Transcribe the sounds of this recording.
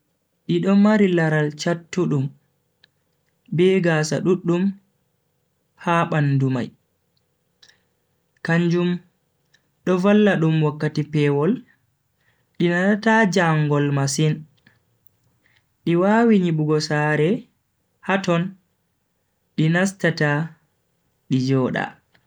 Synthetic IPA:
ɗiɗɔmaɾilaɾalt͡ʃatːuɗum | bɛɡaːsa̰ɗuɗːum | haɓanduma̰j | kaɲd͡ʒum | ɗɔvalːaɗumwakːatipɛːwɔl | ɗinaɗatad͡ʒaŋɡɔlmasin | ɗiwaːwiɲiɓuɡɔsaːɾɛ | hatɔn | ɗinastata | ɗid͡ʒɔːɗa̰

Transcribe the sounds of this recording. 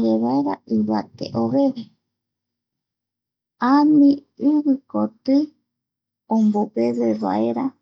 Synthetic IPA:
jeβaeɾaʔiβa̰t̪ḛʔoβeβe | amĩ | ɨβɨkot̪ɨ | õmbopezeβa̰eɾa

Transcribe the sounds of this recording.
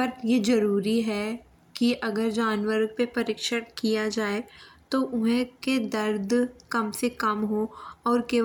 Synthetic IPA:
pɐɾjed͡ʒɐɾuːɾiɦɛ | kiʔɐɡəɾd͡ʒaːnʋəɾɡ̚pepɐɾɪkʃəɽkijad͡ʒaːet̪oʔʊɦɛ̃ked̪ɐɾd̪ʱkɐmsekɐmɦoɔːɾke

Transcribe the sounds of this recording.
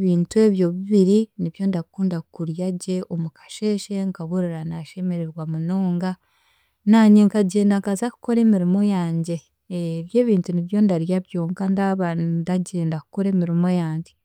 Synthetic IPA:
βiːntue̞βjo̞βiβiɾiniβjo̞ndakuːndakuɾjaɟe̞ʔomukḁʃe̞ːʃe̞ŋkaβoɾiɾanaʃe̞me̞ɾeɾwamunoːŋɡa | naːɲeŋkaɟe̞ːndaŋkazaku̥ko̞ɾe̞ːmiɾimo̞jaːɲɟe̞ | βje̞ːβiːntuniβjo̞ndaɾjaβjo̞ŋkandaβadaɟe̞ːndakuko̞ɾe̞ːmiɾimo̞jaːɲɟe̞

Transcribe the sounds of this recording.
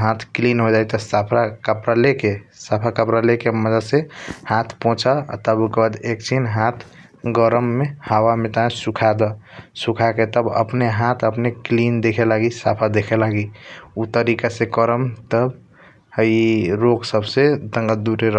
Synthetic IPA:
ɦat̪ʰklinɦod͡ʒajt̪ɔsapʰɾakəpɾalekesapʰakəpɾalekeməd͡ʒəd̪sehat̪ʰpɔ̃t͡ʃʰa̰t̪əbukbad̪ek̚t͡ʃʰinɦãt̪ʰ | ɡəɾəmːehawamet̪aẽsukʰad̪ɔsukʰaket̪əbə̰pneɦat̪ʰəpneklind̪ekʰelaɡisapʰad̪ekʰelaɡiut̪əɾikasekəɾəmt̪əb | iɾoɡsəbsed̪ə̃ŋɡəd̪uɾeɾə

